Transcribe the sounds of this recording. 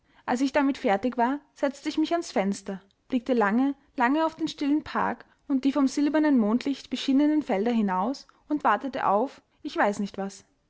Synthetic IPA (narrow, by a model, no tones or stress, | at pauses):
ʔalsɪçd̥amɪtfɛɐtɪkv̥aːɐz̥ɛt͡stəɪçmɪçansfɛnstɐ | b̥lɪk̚təlaŋə | laŋəaʊfd̥eːnʃtɪlənpʰa̰ɐk | ʊnt̚d̥iːfɔmzɪlbɐnənmoːntʰlɪçtb̥əʃɪnənənfɛldɐɦɪnaʊs | ʊntv̥aɐtətə̰ʔa̰ʊf | ʔɪçv̥aɪsnɪçtv̥as